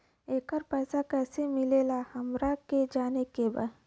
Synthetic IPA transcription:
eːkəɾpɛːsakɛːsemɪlelahɐmɾaked͡ʒaːnekeba̰

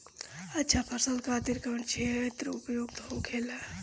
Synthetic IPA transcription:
ɐtːʃʰapʰəsəlkʰat̪iɾkəɳt͡ʃʰit̪ɾoupjoɡ̚t̪ɦokʰeːla

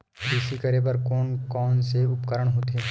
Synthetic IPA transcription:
kɪsikəɾebəɾkɔːnkɔːnseʊpkəɾəɽɦoːt̪eː

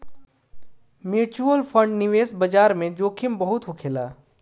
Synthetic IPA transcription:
mjuːt͡ʃuəlfʰə̃ɳɖnɪʋeːsbɐd͡ʒaːɾmẽd͡ʒoːkʰɪmbɐɦʊt̪ɦʊkʰeːlaː

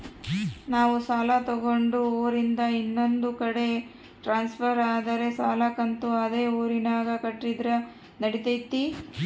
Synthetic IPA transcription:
naːʋusaːlɐt̪oɡo̞ɳɖuoːɾind̪ɐinːo̞nd̪ukɐɽe̞ | ʈɾaːnspʰɐɾaːd̪ɐɾe̞saːlɐkɐnt̪uɐd̪e̞ːoːɾinaːɡɐkɐʈːid̪ɾɐ | nɐɽit̪ɐjt̪ːi

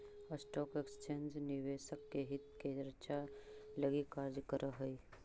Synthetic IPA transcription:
əsʈɔːkekst͡ʃeːnd͡ʒnɪʋeːʃəkːeɦɪt̪ked͡ʒəɾt͡ʃaləɡikaːɾd͡ʒkəɾəɦəi

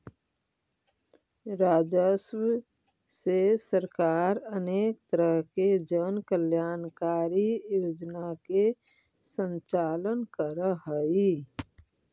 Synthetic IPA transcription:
ɾaːd͡ʒəsw | sesəɾkaːɾəneːk̚t̪əɾəɦked͡ʒənkəljaːnkaːɾijoːd͡ʒnake | sə̃nt͡ʃaːlənkəɾəɦəi

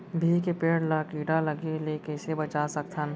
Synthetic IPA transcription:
bʱikepeːɽləkiːʈaləɡelekɛɪsebət͡ʃasək̚t̪ʰən

